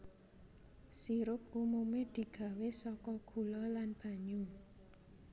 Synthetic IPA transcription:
siɾʊp̚umumed̪̥i̤ɡ̥a̤wesɔkɔɡ̥ṳlɔlanb̥a̤ɲʊŋ

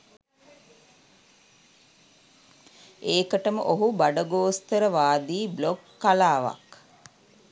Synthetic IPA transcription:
eːkəʈəmə̰ʔoɦubaɖəɡoːst̪əɾəʋaːd̪iːblokːalaːʋa̰k

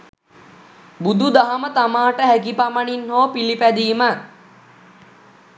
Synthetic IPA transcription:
bud̪ud̪aɦamət̪amaːʈəɦækipamaɳinhoːpilipæd̪iːma

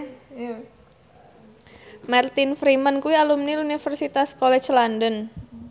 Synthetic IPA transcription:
mart̪infɾimənkuialumnilunifərsit̪askolɛt͡ʃlandən

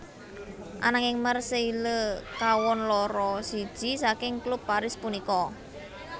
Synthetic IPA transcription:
ʔa̰naŋɪŋmərseiləkawɔnlɔɾɔsid̥ʒ̥i̤sakɪŋklupːaɾɪspunikɔ

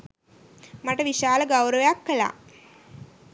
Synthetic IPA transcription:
maʈəʋiʃaːləɡɐwɾəʋəjakːəla̰

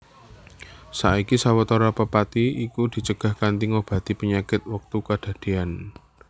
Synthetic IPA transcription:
saʔikisawət̪oɾapəpat̪iikud̪̥i̤t͡ʃəɡ̥a̤hkant̪iŋob̥ä̤t̪ipəɲakɪt̪̚wək̚t̪ukad̥a̤d̪̥e̤an

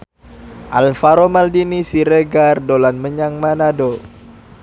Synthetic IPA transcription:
ʔalfaɾomaldinisiɾeɡardolanməɲaŋmanado

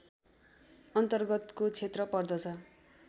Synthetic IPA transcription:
ʌnt̪ʌrɡʌt̪kot͡sʰet̪rʌpʌrd̪ʌt͡sʰʌ

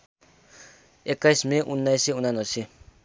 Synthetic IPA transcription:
ekːajsmẽʔunːajseunanʌse

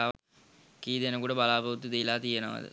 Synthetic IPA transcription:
a | kiːd̪enəkuʈəbalaːpɐut̪ːud̪ejlaːt̪ijenoʋa̰d̪ə̰

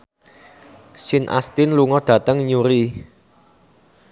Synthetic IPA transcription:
sɪnʔa̰st̪ɪnluŋɔd̪̥ä̤t̪əŋɲuɾi

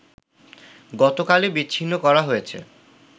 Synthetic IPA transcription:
ɡɔt̪okalebiːɕʰinːokɔɾaɦojet͡ɕʰḛ

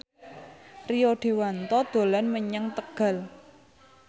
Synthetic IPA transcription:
rijoɖ̥e̤want̪ɔd̪̥o̤lanməɲəŋt̪əɡ̥a̤l

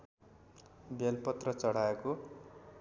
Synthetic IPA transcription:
belpʌt̪rʌt͡sʌɽ̤aeko

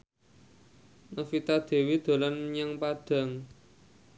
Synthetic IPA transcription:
nəfit̪ad̪̥e̤wid̪̥o̤lanmɲaŋpaɖ̥a̤ŋ

